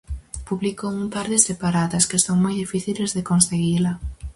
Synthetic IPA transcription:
puβlikoumpaɾðɪsepaɾaðɐskesoŋmojðifiθilezðekonseɣilɐ

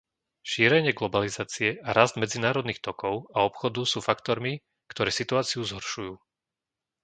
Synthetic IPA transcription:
ʃiːɾɛɲɪɛɡlɔbalizaːt͡siɛʔaɾazd̪mɛd͡zinaːɾɔd̪nixt̪ɔkɔʊaɔpxɔd̪usuːfakt̪ɔɾmi | kt̪ɔɾɛːsit̪uaːt͡siuzɦɔɾʃujuː

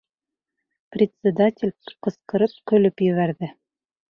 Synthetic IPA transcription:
prʲɪt̪ʲsʲɪd̪atʲɪlʲqɤ̆sqɤ̆ɾɤp̚qɵ̆lɵpjɵ̆βæɾðɘ

